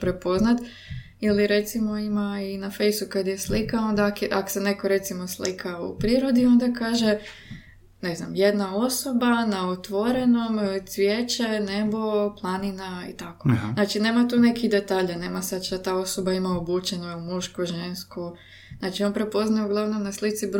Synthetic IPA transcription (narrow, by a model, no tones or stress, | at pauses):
pɾepo̞znat̪ | iliɾe̞t̪simo̞imainafe̞jsukad̪jeslikao̞nd̪akʔako̥sene̞ko̞ɾe̞t̪simo̞slikʰaṵpɾiɾo̞d̪io̞nd̪akaːʒe̞ | ne̞zna̰mje̞d̪nao̞sobanaot̪ʋoɾe̞nomt̪sʋjeːt͡ʃenebo̞plˠaninaḭt̪akonaːt͡ʃine̞ːmat̪uːne̞kiɣd̪e̞t̪aːʎane̞ːmasad̪t͡ʃat̪aːo̞sobaimaobuːt͡ʃenojumuʃkoʒe̞nsku | znat͡ʃio̞npɾe̞po̞znajeuɡlˠaʋno̞mnaslˠit̪sib